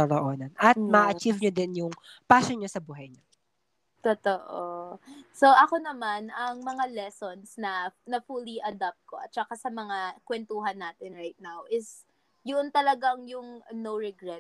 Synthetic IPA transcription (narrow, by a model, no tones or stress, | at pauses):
oɾoʔoːnɐnʔɐt̪̚mɐʔʔɐt͡ʃivɲod̪ɪnjʊŋ | paːsonɲosɐbuːɦɐjɲɐ | t̪ot̪oʔoso̞ʔɐko̞nɐmanɐŋmɐŋalɛsonsnɐnɐfuliʔɐd̪ap̚t̪̚ko̞ʔɐ̰t̪̚t͡ʃɐkasɐmɐŋakwɛnt̪uːɦɐnːaːt̪ɪnɹajt̪̚nawʔɪs | jʊʔont̪ɐlɐɡaŋjʊŋnowɹɛɡɹɛt̪̚